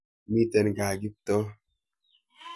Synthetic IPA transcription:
mi˦tɛ˨nɡa˨ɡi˦p̚tɔ˦

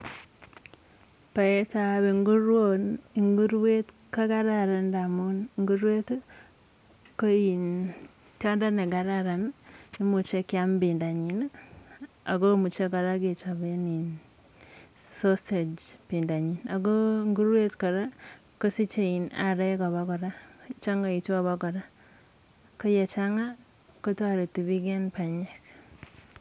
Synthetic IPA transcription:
pa˨e˦ta˦βeŋɡu˦ɾwonŋɡu˦ɾwe˦t | ka˦ɡa˦ɾaɾa˨ndamonŋɡu˦ɾwe˦to˦ | ko˦i˨n | to˦nda˦ne˨ɡa˨ɾaɾa˨nni˦mu˨t͡ʃe˦kja˦mbi˨nda˨ɲi˨n | a̰˨ɡo˦mu˨t͡ʃe˦ka˨ɾa˦ɡe˨t͡ʃa˨βe˦ni˨n | so˦ste˨d͡ʒpi˨nda˨ɲi˨na˨ɡo˦ŋɡu˦ɾwe˦tkɔ˨ɾa˦ | ko˦si˦t͡ʃe˦i˨na˨ɾɛ˦kɔ˨βa˦kɔ˨ɾa˦t͡ʃa˦ŋa˨i˨tɔ˦βa˦kɔ˨ɾa˦ | ko˦je˨t͡ʃa˦ŋa˦ | ko˦ta˦ɾe˨ti˨βi˦ɡe˦npa˨ɲe˦k

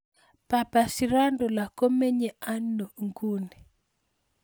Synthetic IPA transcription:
pa˨pa˨si˨ɾa˦ndo˨la˨ko˦me˦ɲe˨a˦nːo˨ŋɡu˦nɛ˨

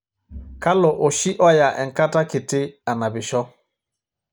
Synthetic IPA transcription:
ka˦lɔ˨ʔo˨ʃi˦ʔɔ˦ja˨ʔɛ˨ŋka˦ta˦ki˨tɪ˦a˨na˨bi˨ʃɔ˦

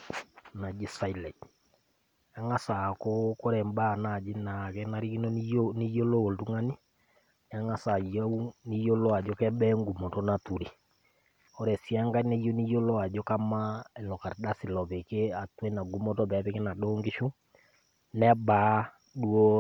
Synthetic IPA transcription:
na˨d͡ʒi˦sa˨i˨lɛ˨ | a˦ŋa˦sa˨koko˦ɾɛ˨mba˦˨na˨d͡ʒi˦na˨kɛ˦na˦ɾi˦ki˦no˦oni˦jo˦lo˦o˨ltu˦ŋa˦ni˦ | a˦ŋa˦sa˨ja˦u˦ni˦jo˦lo˦a˨d͡ʒo˦kɛ˦ɓɛ˦ŋɡu˨mo˨to˦na˨tu˨ɾi˨ | o˦ɾɛ˨si˦a˦ŋɡa˦i˦ne˦jo˦ni˦jo˦lo˦a˨d͡ʒo˦ka˦ma˦ɛ˨lɔ˨ka˨ɾda˦si˨lɔ˨βe˨ke˦a˨twe˦na˨ŋɡu˦mo˦tɔ˦βɛ˨˦βe˦ke˦na˨ɗoː˦ŋɡe˦ʃu˦ | nɛ˦ba˦ | ɗu˦o˦

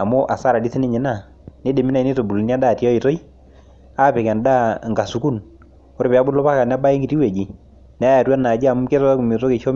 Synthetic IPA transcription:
a˨mo˦ʔa˨sa˦ɾa˨di˦se˦nɪ˦ɲɛ˨na˦˨ | ne˦de˨mi˦na˦˨i˦ne˦to˨bu˨ln˦a˦daː˦˨ti˦ɔ˦i˨to˦i˦ | a˦˨pe˨kɛ˨nda˦˨ŋɡa˨su˨ku˦n | o˦ɾpɛ˨a˦bʊ˦lɔ˦pa˦ka˨n˦a˦ba˦i˦ŋɡi˨ti˦wɛ˨d͡ʒi˨ | n˨˦a˦ja˨twa˦na˨d͡ʒi˦a˨m˦ke˦tɔ˦a˦ku˨mi˨to˦ke˨ʃɔ˦m

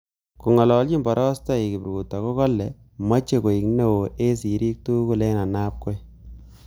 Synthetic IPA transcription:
ku˨ŋɔ˨lɔ˨lt͡ʃi˦mbɔ˨ɾʔɔ˦sta˦i˨ki˨pɾɡu˨tːa˨ko˦kɔ˦lːɛ˨ | ma˦t͡ʃe˨ko˨i˨kne˦˨wo˨ʔe˦s̬i˨ɾi˦k̚tu˦ku˨le˦na˨na˦p̚ko˦j

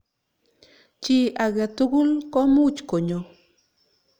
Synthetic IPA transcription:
t͡ʃi˦a˨ɣa˨t̪u˦ɡu˦lko˦mu˦t͡ʃko˨ɲo˨

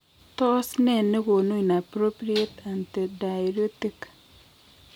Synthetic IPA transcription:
t̪ɔ˦snɛ˦˨nːe˦ɡo˨no˦i˨na˨pɾo˦pɾi˦e˦ta˨nte˨da˨jɾo˦ti˦k

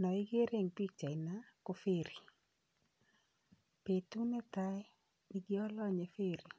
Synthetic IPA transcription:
nɔ˨ɪ˦ɡe˦ɾe˦˨ŋpi˦k̚t͡ʃa˨ɪ˨na˦ko˦fe˦˨ɾi˨ | pe˨tu˦nɛ˦t̪a˦ɛ˦ | ni˦ɡɪ˦ɔ˦lɔ˦ɲe˨fe˦ɾi˨

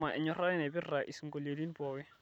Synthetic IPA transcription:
a˨ʔɪ˨ɲɔ˨ra˦ɛ˦nɛ˨bɪ˦ra˨ʔi˨si˨ŋɡo˨le˨li˦ni˦pɔ˨wɛ˦

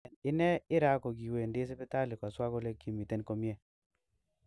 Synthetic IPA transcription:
nɪ˦nɛ˦ɪ˦ɾa˦ko˨ɡi˨we˨ndɪ˦s̬ɪ˦pɪ˦ta˦li˨kɔ˨swa˦ko˦le˦kːi˨mi˨te˦nko˦mje˦

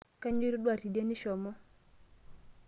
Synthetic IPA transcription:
ka˦ɲ˦u˦ɾi˦ɗwa˦˨ti˨di˦e˦ni˦ʃɔ˨mɔ˦

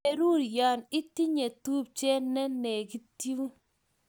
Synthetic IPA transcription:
e˨ɾu˦˨ɾja˨nɪ˦ti˦ɲe˨tu˦p̚t͡ʃɛ˦nɛ˦nɛ˨ki˦tju˦

